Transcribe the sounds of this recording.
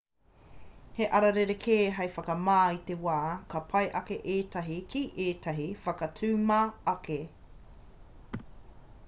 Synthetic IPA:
heʔɐɾɐɾeɾekʰeːɦɐjfɐkɐmaːit̪ewaːkɐpʰɐjʔɐkeʔeːt̪ɐɦikʰiʔeːtʰɐɦifɐkɐtʰʉːmaːke

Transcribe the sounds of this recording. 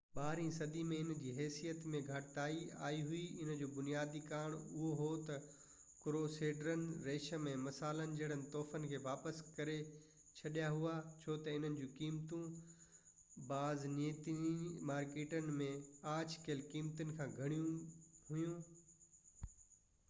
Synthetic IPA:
ɓaːɦɾĩsɐd̪imẽɪnd͡ʑiːɦɛːsijət̪mẽɡʱɐʈt̪aːia̰ːiɦʊiɪn̤əd͡ʑoːbʊnijaːd̪ikaːɽ̃ʊɦoɦot̪ɐ | kɾoːseːɖɾənɪ̆ɾeːʃə̆mẽmɐsaːlənɪ̆d͡ʑɐːɽ̤ənɪ̆t̪ɔːfənɪ̆kʰeːʋaːpəskɐɾe | t͡ɕʰɐɗijaɦuat͡ɕʰoːt̪ɐɪn̤ənɪ̆d͡ʑuːkiːmt̪ũ | baːzneːt̪imaːɾkeːʈənɪ̆mẽaːt͡ɕkeːlkiːmt̪ənɪ̆kʰãːɡʱɐɽ̃ijũɦʊjũ

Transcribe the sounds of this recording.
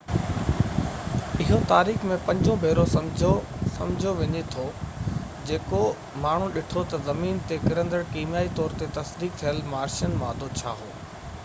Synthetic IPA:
ɪɦot̪aːɾiːxmẽpɐ̃ɲd͡ʑʱõbʱeːɾosɐd͡ʑosɐ̰̃md͡ʑʱoʋɪɲet̪ʰo | d͡ʑeːko | maːɳ̤ũɗɪʈʰot̪ɐzɐmiːnt̪ekɪɾə̃nd̪əɽkiːmjaːit̪ɔːɾt̪et̪ɐsd̪iːk̚t̪ʰijəlmaːɾʃənmãːd̪ʱot͡ɕʰaːɦoː

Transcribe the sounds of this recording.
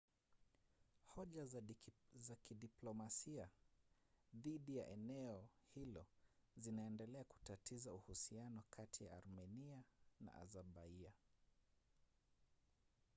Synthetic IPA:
hɔʄa | zakiɗiplɔmasia | ðiɗija̰ʔɛnɛɔhilɔzinaɛndɛlɛaku̥tatizauhusianɔkʰatʰija̰ːɾmɛniana̰ʔa̰zaɓaia

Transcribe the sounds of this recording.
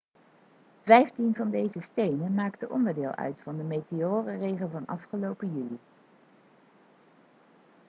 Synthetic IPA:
vɛjftinvɑndejzəstejnənmaːktəʔɔ̰ndəɹdɪːlˠʔœ̰ɥtfɑndəmeteoːrərejχəlˠvɑnɑfχəlowpəjyli

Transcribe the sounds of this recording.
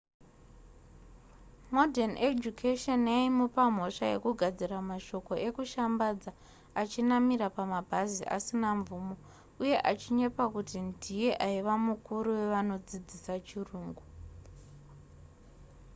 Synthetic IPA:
modʱaned͡ʒukʰeʃonjaimopam̤o̞ʂaje̞̰kuɡʱad͡ziramaʃo̞ko̞ʔe̞kuʃambad͡za | at͡ʃinamiɾapamabʱaziʔa̰sinaɱvuːmo̞ | uje̞ʔat͡ʃiɲepakutindʱije̞ʔaiʋamukuɾuwe̞ʋano̞d͡zid͡zisat͡ʃiruːŋɡu

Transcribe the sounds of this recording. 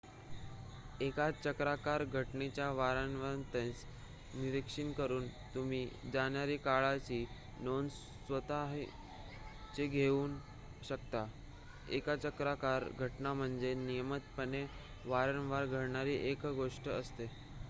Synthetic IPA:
ekat͡ɕəkɾakaɾɡʱəʈnet͡ɕjaʋaɾanʋant̪ẽt͡s | niɾikʂinkəɾuːnt̪um̤iːd͡zanjaɾiːkaɭat͡ɕiː | non | sʋət̪aɦi | t͡ɕeɡʱeuːn | ɕəkt̪a | ekat͡ɕəkɾakaɾɡʱəʈnam̤əɳd͡zenijəmət̪pəne | ʋaɾənʋaɾɡʱəɾɳaɾiːʔekɡoʂʈəəst̪e

